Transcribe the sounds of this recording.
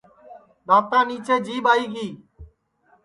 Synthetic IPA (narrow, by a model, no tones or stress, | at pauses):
ɗ̪aːp̚t̪aːniːt͡ʃeːd͡ʒiːɓaːiːɡiː